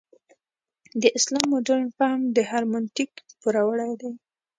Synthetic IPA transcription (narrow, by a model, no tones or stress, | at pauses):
d̪əʔɪslɑmʊdaɾɳpamd̪əhaɾmʊnt̪ikpuɾawəɽajd̪aj